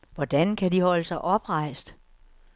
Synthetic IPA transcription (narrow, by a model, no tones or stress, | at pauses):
ʋɒd̥ænkʰædihɒ̽ləsɑ̈ɪʔɒ̽b̥ʁɑ̈ɪ̰sd̥